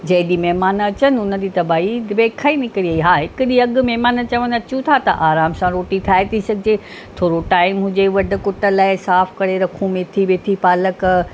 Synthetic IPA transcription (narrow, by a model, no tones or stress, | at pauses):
d͡ʑɐ̃ɦɪ̃ɗimɛɦmaːnɐt͡ɕənɪ̆ʊnəd͡ʑiːt̪ɐbaːɦibeːkʰaːinɪkɾiaːiɦaːɦɪkɗiɐɠmɛɦmaːnət͡ɕɐʋənɐt͡ɕũt̪ʰat̪ɐʔaːɾaːmsãɾoːʈit̪ʰaːet̪ʰisɐɡʱɪd͡ʑe | t̪ʰoːɾoʈaːɪmɦʊ̃d͡ʑeʋɐɖʱʊ̆kʊʈə̆laːɪsaːfkɐɽeɾɐkʰũmẽt̪ʰiʋet̪ʰipaːlək